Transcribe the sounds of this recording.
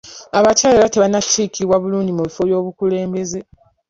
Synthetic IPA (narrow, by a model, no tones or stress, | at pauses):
aβacaːlelateβanatʰːiːkiβwaβuluːɲɟimuβifo̞βjo̞ːβukule̞ːmbe̞ze̞